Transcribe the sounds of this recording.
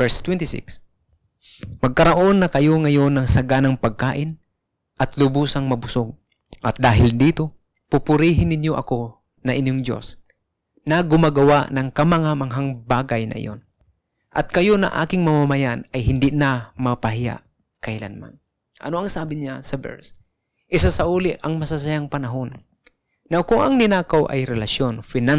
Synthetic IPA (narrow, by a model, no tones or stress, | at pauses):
ɛɹst̪wɛnt̪ɪsɪ̰ks | mɐɡ̚kɐɾɐʔo̞nːɐkɐjo̞ŋɐjo̞nːɐŋsɐɡanɐŋpɐɡ̚kaːʔɪn | ʔɐt̪lʊbuːsɐŋmɐbʊsoɡ̚ | ʔɐt̪̚d̪aːɦɪld̪iːt̪o̞ | pʊpʊɾiːɦɪnːɪnjoʔɐ̰ko̞ | nɐʔɪnjoŋd̪o̞̰s | nɐɡʊmaɡɐwaʔnɐŋkɐmɐŋamɐŋɦaŋbaːɡɐjnɐ̰ʔɪ̰jʔo̰n | ʔɐ̰t̪̚kɐjonɐ̰ʔa̰ːkɪŋmɐmamɐjanɐjɦɪnd̪ɪʔnamɐpɐhɪja̰ʔ | kɐhɪla̰nma̰n | ʔɐ̰noɐŋsaːbɪɲasɐbɛ̰ɹs | ʔɪsasɐʔuːlɪʔɐŋmɐsas̬ɐjaŋpɐnɐɦonː | ɐwkʊŋɐŋnɪnaːkawʔɐ̰jɾɛlɐʃjonfɪna